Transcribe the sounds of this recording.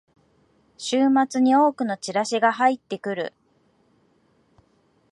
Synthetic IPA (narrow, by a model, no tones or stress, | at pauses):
ɕɨːmat͡sɨɲ̟io̞ːkɯ̟no̞t͡ɕiɾaɕiɡaɦait̪ːe̞kɯ̟ɾɯ̟̰